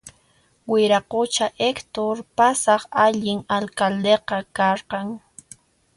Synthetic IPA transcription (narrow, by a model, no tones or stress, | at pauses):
wɪɾaqot͡ʃaʔekt̪oɾpasɑχaʎɪŋalkald̪eqɑkɑɾqɑŋ